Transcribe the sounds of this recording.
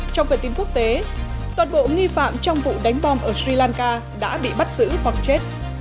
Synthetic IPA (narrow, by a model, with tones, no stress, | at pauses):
t͡ɕɔ˧wŋ͡mt̪əː˨˩t̪i˨˦əŋku˦˥ək̚t̪e˨˦ | t̪waː˨˩nɓo̰˧˨ŋi˧fa̰ː˧˨mt͡ɕɔ˧wŋ͡mvṵ˧˨ɗa˨˦jŋ̟ɓɔ˧mʔəː˧˩sɹi˧laː˧nkaː˧ | ɗa̰ː˧˥ɓḭ˧˨ɓa˦˥t̚zɨ̰˧˥hwa˨˩k̚t͡ɕe˦˥t̚